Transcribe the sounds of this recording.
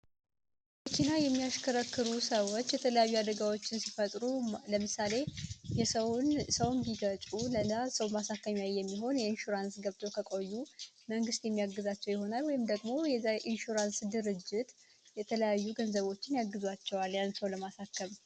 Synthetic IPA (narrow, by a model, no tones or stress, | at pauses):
bəkʰinajɛmːijaʃkʰəɾəkːɨɾusəwot͡ʃːjɛt̪ʰələjajːuad̪əɡawo̞t͡ʃːɪnsifət̪ʼɾuləmɨsale̞jɛsəwnsəwnbiɡət͡ʃʼulənasəwmasakːəmjajːɛmːiɦo̞njɛinʃuɾansɡəβt̪ʰo̞kʰəkʼo̞jːu | məŋɡɨst̪jɛmːijaɡːɨzat͡ʃːɛwjɪho̞nalwɔjɪmd̪əɡmo̞jɛaʔinʃuɾansd̪ɨɾɨd͡ʒːɪt̪ | jɛt̪ʰələjajːuɡənzəβo̞t͡ʃːɪnjaɡːɨzwat͡ʃːɛwaljansəwləmasakːəm